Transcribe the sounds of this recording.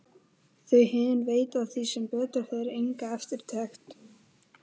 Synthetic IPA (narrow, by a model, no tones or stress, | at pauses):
θœɥhɪːðɪnveːjt̪aðθisɛmpœːt̪ʏɾhœðɾejŋkaɛft̪ɪɾ̥t̪ʰɛxt̪